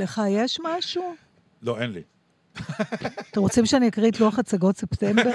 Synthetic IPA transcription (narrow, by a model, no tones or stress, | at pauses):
leχajeʃmaʃu | loʔenlḭ | temʁot͡simʃeaniakʁitluaχat͡saɡo̞tsept̪embe